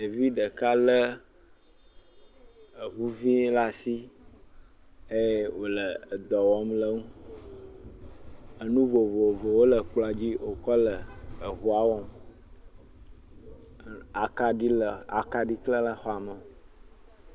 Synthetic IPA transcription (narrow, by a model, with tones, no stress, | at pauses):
e˨vi˦ɖə˨ka˦lə˦ | ə˨ɦu˦vĩ˦la˦si˦ | e˦jwo˨lə˨d̪ɔ˨wɔ˦mlə˦ŋũ˦ | ə˦nũ˦vo˨vo˨vo˨wo˦lə˨k͡plo˨a˨d͡ʑi˦wo˨kɔ˦lə˨ə˨ɦu˦a˨˦wɔ˦m | a˨ka˨ɖi˦lə˨a̰˨ka˨ɖi˦klə˦lə˨xɔ˦a˨mə˨